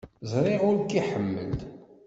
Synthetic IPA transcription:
zɾˤɪʁʊɾkːiħəmːə̰ld̪

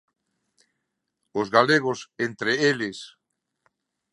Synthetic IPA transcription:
ʊzɣaleɣ̞osent̪ɾeeles

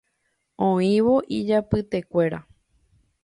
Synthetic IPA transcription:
õĩʋoʔid͡ʒapɨt̪e̞kʷe̞ɾa

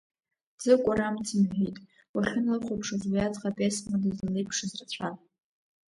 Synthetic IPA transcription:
d͡zɨkʷʼaɾamtʰimħʷᶣijtʼ | waχʲɪnɨlχʷʊpʰʂazwijat͡sʼqʼapʲʼesmadazalejpʰʂɨzrat͡ɕʷʰal

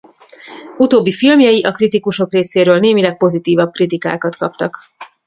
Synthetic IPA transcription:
ut̪oːbːifilmjɒjiʔɒkrit̪ikuʃo̞kreːseːɾøːlneːmilɛk̚po̞zit̪iːvɒb̚krit̪ika̰ːkɒt̪kɒp̚t̪ɒk

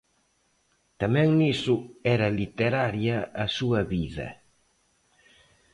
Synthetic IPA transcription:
t̪amɛ̃ŋnisʊɛɾɐlit̪eɾaɾjɐːsuɐβiðɐ̰

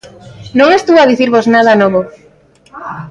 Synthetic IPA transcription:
nõŋest̪uaðiθiɾβoznaðɐnɔβo

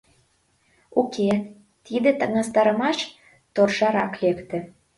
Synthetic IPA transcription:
ukʲʰe | t̪id̪ĕt̪ə̆ŋɑst̪ɑɾə̆mɑʃ | t̪orʒɑɾɑklʲekt̪ĕ

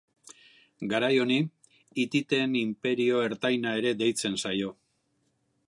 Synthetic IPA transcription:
ɡaɾajo̞ni | it̪it̪e̞nimpe̞ɾio̞e̞ɾt̪ajnae̞ɾe̞d̪e̞jt͡se̞nsajo̞

